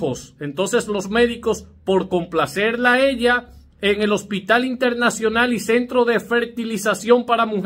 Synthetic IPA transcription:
osent̪o̞nse̞slo̞sme̞ðiko̞spo̞ɾko̞mplase̞ɾlae̞ʎa | eŋe̞lo̞spit̪alint̪e̞ɾnasjo̞nalise̞nt̪ɾo̞ðe̞fe̞ɾt̪ilisasjo̞mpaɾamuβ

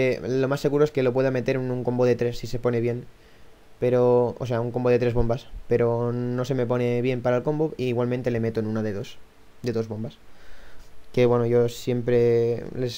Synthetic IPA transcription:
elo̞masːeɣuɾoeske̞lo̞p̬we̞ðame̞t̪e̞ɾnuŋko̞mboðe̞t̪ɾe̞sːise̞po̞ne̞βje̞n | pe̞ɾo̞o̰se̞auŋko̞mbo̞ð̞e̞t̪ɾe̞β̞o̞mbaspe̞ɾono̞se̞me̞po̞ne̞βje̞mpaɾalko̞mboiːɣwalmẽnt̪e̞le̞me̞t̪oenunaðeðo̞s | d̪e̞ðo̞zβo̞mbas | ke̞βwe̞noʝosje̞mpɾe̞les

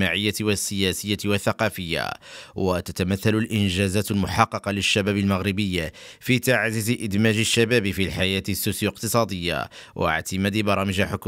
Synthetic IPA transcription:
maʕəjːat̪wasːɪjæsəjːawaθːɑqɑfəjːa̰wat̪æt̪æmæθːælʊlʔɪnʒæzæːt̪lmʊħɑqːɑqɑləʃːæbæːbəlmaɣɾɪbəjːafit̪aʕzɪziʔɪd̪mæʒɪʃːæbæːbfilħajæːt̪isːusjoq̚t̪əsˤɑd̪əjːa̰wʔa̰ʕt̪ɪmæd̪bɑɾˤɑməʒaħʊk

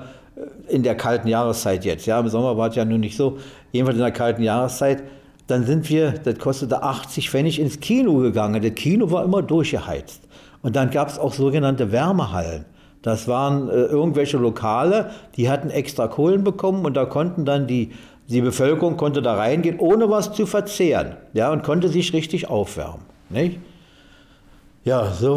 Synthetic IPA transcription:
ɪndeːɐkʰaltn̩jaːʁ̞əst͡saɪtjɛt͡stjaːɪmzɔmɐvaːɐɛsjaːnuːɐnɪçtz̥oːjeːdn̩falsɪndeːɐkʰaltn̩jaːʁəst͡saɪt | d̥anzɪntv̥iːɐd̥atkʰɔstətəʔaχt͡sɪçfɛnɪçɪnskʰiːnoɡəɡaŋəndatkʰiːnovaːɐʔɪmɐdʊɐçɡ̥əha̰ɪt͡st | ʔʊnt̚d̥anɡaːpɛsaʊxz̥oːɡənantəvɛɐməha̰lə̰n | d̥asv̥aːʁənʔɛːʔɪɐɡŋ̩tv̥ɛlçəlokʰaːləd̥iːhatn̩ʔɛkstʁ̥akʰoːlənbəkʰɔmənʊnt̚d̥aːkʰɔntn̩dandiː | d̥iːbəfœlkəʁʊŋkʰɔntədaːʁaɪnɡeːnʔoːnəvast͡sufɛɐt͡seːʁə̰njaːʊntkʰɔntəzɪçʁɪçtɪçʔa̰ʊfv̥ɛ̰ɐmənnɪç | jaːzoː

